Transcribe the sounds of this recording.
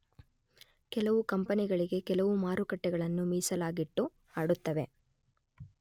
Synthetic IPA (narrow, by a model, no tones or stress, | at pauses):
kɛlɐʋukɐmpɐniɡɐɭiɡe̞kɛlɐʋumaːɾukɐʈːɛɡɐɭɐnːumiːsɐlaːɡiʈːu | aːɽut̪ːɐʋe̞